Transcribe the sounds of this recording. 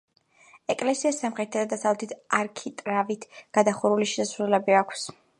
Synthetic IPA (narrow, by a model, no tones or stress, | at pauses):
ɛkʼlɛsiasːamχɛt̪t̪ʰːad̪ad̪asavlˠɛt̪ʰit̪ʰaɾkʰit̪ʼɾavit̪ʰɡ̥ad̪aχuɾuliʃɛsasɾulɛbiakʷʰs